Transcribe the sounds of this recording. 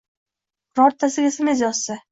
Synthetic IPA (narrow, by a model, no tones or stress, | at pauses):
ɾɒɾt̪ʰːasɪɡʲasɪmezjɒsːa